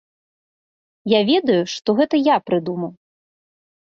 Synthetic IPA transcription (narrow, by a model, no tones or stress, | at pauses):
javʲɛd̪ɐjuʂt̪ɔɣɛt̪ɐjapɾɨd̪umɐw